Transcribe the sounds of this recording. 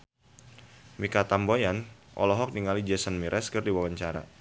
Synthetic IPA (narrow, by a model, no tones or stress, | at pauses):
mikat̪ambojanʔɔ̰lɔɦɔk̚niŋalid͡ʒɛsanmiɾʔɛskɨrdiwawaɲt͡ʃaɾa̰